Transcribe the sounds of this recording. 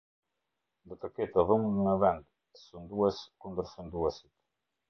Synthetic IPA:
nd̪ɔt̪əkɛt̪əðəmŋəvɛnd̪ | sund̪uɛskund̪əɾsund̪uɛsit̪

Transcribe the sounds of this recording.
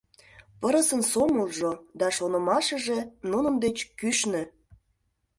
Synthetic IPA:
pəɾə̆sə̆nsoməlˠʒod̪ɑʃonə̆mɑʃə̆ʒenunə̆md̪et͡ɕkyʃnĕ

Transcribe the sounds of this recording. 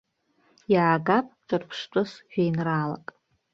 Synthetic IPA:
jaːɡapʼʈ͡ʂʷʼɨrpʰʂt͡ʃʷʼʊsʒᶣejnrala̰kʼ

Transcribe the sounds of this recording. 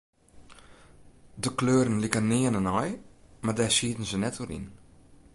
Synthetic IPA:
dəkløːɾənlikənɪənənɔjmardɛsiətən̩zənɛtoɾḭn

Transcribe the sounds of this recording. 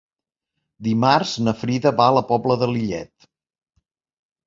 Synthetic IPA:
d̪imarznəfɾiðəβaələpɔbləðəliʎɛ̰t̪

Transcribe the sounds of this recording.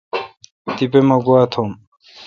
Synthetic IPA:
t̪ipemɐɡuat̪ʰom

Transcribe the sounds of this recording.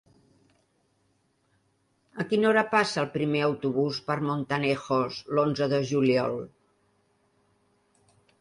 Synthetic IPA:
əkinoɾəpasəːlˠpɾimeəwt̪uβuspəɾmont̪ənɛxoslonzəðəʒuliɔlˠ

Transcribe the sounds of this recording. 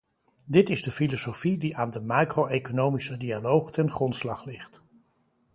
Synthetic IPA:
dɪtɪzdəfilosowfidiʔaːndəmaːkrowejkonowmisədialowχtɛnχrɔntslɑχlɪχt

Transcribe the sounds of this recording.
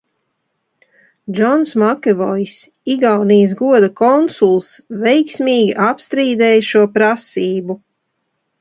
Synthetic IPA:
d͡ʒɔnsmakʲɛvɔjs | iɡawniːs̬ɡuɔd̪akɔnsulˠsvɛjksmʲiːɡʲiʔapst̪ɾiːd̪ɛːjʃuɔpɾasiːbu

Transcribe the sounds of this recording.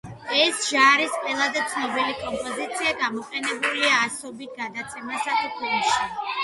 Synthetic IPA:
ɛsʒaɾisqʼɛlˠazɛt̪sʰnɔbilikʼɔmpʼɔzit̪sʰiaɡamɔqʼɛnɛbuliaːsɔbit̪̚ɡad̪at̪sʰɛmasat̪ʰukʰɔnʃi

